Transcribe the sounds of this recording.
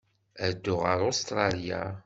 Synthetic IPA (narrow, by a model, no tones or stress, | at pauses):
æd̪ːʊʁəɾˤost̪ɾˤɑlja̰